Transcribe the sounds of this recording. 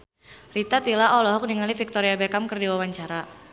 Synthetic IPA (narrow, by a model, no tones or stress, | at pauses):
rit̪at̪ilaʔɔlɔɦɔk̚niŋalifik̚t̪ɔɾiabɛkamkərdiwawaɲt͡ʃaɾa